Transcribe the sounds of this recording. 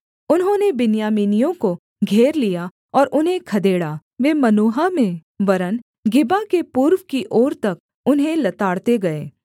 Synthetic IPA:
ʊnɦõnebɪnjaːmiːnijõko | ɡʱeːɾlija | ɔːɾʔʊnɦẽkʰɐd̪eːɽaːʋemɐnuːɦamẽʋɐɾən | ɡɪbakepuːɾʋkiʔɔːɾt̪ɐk̚ | ʊnɦẽlɐt̪aːɽt̪eɡɐeː

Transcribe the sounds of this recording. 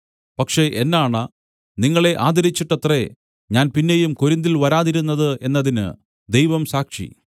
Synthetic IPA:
pɐkʂe̞ʔenːaːɳɐ | niŋːɐɭeʔaːd̪ɐɾit͡ɕːiʈːɐt̪re̞ | ɲaːnpinːe̞jumkoɾind̪ilʋɐɾaːðiɾunːɐðɨʔe̞nːɐðinɨ̰ | d̪e̞jʋɐmsaːkʂḭ

